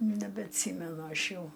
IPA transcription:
nʲɛbʲɛɐtʲˈsʲiːmʲɛnʊ ˈɐʃ ˈjɛʊ

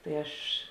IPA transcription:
tɐɪ ˈɐʃ

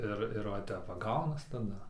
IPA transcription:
ˈɪr ɪr ʋɐ ˈtʲɛp ʋɐ ˈɡɐʊnɐs tɐˈdɐ

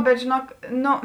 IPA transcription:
bʲɛt ʒʲeːˈnuɔk ˈnoː

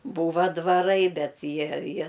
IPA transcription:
ˈbuːʋɐ dʋɐˈrɐɪ ˈbʲɛt ˈjiɛ ˈjiɛ

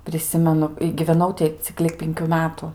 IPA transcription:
pʲrʲɪˈsʲɪmʲɛnʊ ɪ ɡʲɪʋʲɛˈnɐʊ tʲɪ ˈt͡sʲɪk lʲɪk ˈpʲɪŋʲkʲuː ˈmʲæːtʊ

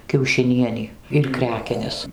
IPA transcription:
kʲɛʊʃʲɪˈnʲiɛnʲiː ɪr ˈkrʲæːkʲɛnʲɛs

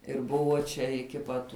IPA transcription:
ɪr ˈbʊʋoː t͡ʃʲɛ ɪkʲɪ ˈpɐt

